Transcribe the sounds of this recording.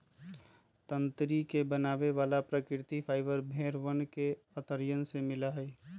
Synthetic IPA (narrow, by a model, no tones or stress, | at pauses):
t̪ənt̪ɾikebənaːʋeʋaːlapɾəkɪɾt̪ipʰaːɪʋəɾbʱeːɾʋənke | ət̪əɾjənsemɪlaɦɛi